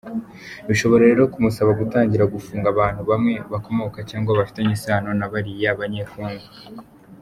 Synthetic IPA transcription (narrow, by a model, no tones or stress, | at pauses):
βiʃo̞βo̞ɾeɾe̞ːɾo̞kumusaβaɡutaːɲɟiɾaɡufuːŋɡaβaːnhuβamŋe̞βako̞mo̞kacaːŋɡaβafi̥taɲisaːno̞naβaɾijeaβaɲeːfuːŋɡu